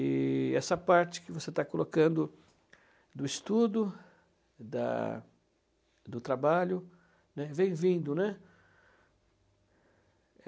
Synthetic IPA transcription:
ɪɛsɐpaɾt͡ʃɪ̥kɪvoset̪akolokɐ̃nd̪ʊ | d̪ʊist̪ud̪ʊ | d̪ɐ̰ | d̪ʊt̪ɾabaʎʊ | nɛvẽj̃vĩnd̪ʊnɛ

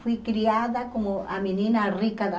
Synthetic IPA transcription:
fwikɾiaðakomoʔamenĩnarikaða

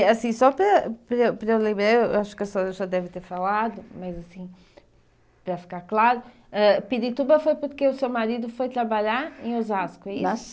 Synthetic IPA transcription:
ɐsĩsɔpɾɐpɾɐepɾɐewlˠẽmbɾaew̰aʃu̥kɐsɔzɐʒad̪ɛvt̪eɾfalˠaðʊmɐzɐsĩ | pɾɐfi̥kaɾklˠaɾʊ | ɛpiðit̪uβɐfojpuɾkeusewmaɾiðufojt̪ɾɐβaʎaɾẽj̃ozaskuɛins

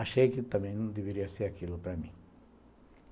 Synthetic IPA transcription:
ɐʃekɪt̪ɐ̃mẽj̃nd̪eβeɾiɐseɾakilupɾɐmĩ

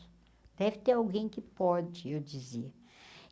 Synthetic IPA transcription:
d̪̥ɛvɪt̪eɾawɡẽj̃kɪpɔd͡ʒɪewd͡ʒiziɐ

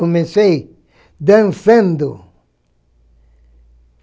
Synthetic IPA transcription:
omesej | d̪ẽnsẽnd̪ʊ

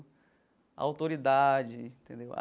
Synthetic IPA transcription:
awt̪oɾid̪ad͡ʒɪĩt̪ẽnd̪ewa̰

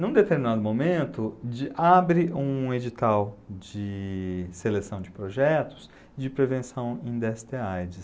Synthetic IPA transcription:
nũd̪et̪eɾminad̪ʊmomẽnt̪ʊd͡ʒɪʔabɾɪũed͡ʒit̪awd͡ʒɪselesɐ̃w̃d͡ʒɪpɾoʒɛt̪ʊ̥s | d͡ʒɪpɾevẽsɐ̃w̃ẽd̪ɛst̪eajd͡ʒɪs

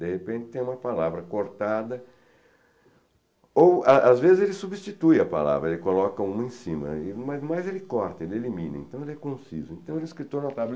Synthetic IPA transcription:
d̪ehepẽnt̪ɪt̪ẽj̃ũmɐpalavɾɐkoɾt̪ad̪ɐ | owaazvezɪzelɪsubist͡ʃit̪ujɐpa̰la̰vɾɐelɪkolɔkɐũmɐẽsĩmɐ̰ɪmazmajzelɪkɔɾt̪ɐelɪelimĩnɐḛ̃t̪ɐ̃w̃elɪɛkõsḭzʊẽnt̪ɐ̃w̃elɪskɾit̪oɾnot̪abl

